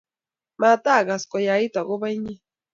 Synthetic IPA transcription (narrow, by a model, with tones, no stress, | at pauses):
ma˨ta˦˨ɣa˨skɔ˨ja˨i˦ta˨ɣʊ˦βa˦i˦ɲe˦